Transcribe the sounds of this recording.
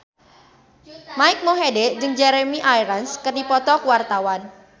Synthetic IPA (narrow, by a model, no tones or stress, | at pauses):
maɪk̚moɦeded͡ʒɨŋd͡ʒɛɾemiʔajɾanskərdipɔt̪ɔkuwart̪awan